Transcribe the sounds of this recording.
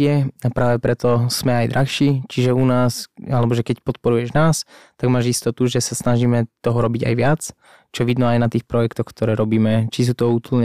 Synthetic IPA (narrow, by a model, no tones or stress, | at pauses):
ɪɛapɾaːʋɛpɾɛt̪ɔsmɛajd̪ɾʔaxʃiːt͡ʃiʒɛunaːsalɛbɔʒɛkɛcpɔt̪pɔɾujɛʒnaːst̪aɡmaːʒist̪ɔt̪uʒɛsasnaʒiːmɛt̪ɔɦɔɾɔbiɟa̰jʋɪat͡s | t͡ʃɔʋid̪nɔajnat̪iːxpɾɔjɛkt̪ɔxkt̪ɔɾɛːɾɔbiːmɛt͡ʃis̬uːt̪ɔut̪l̩ɲɛ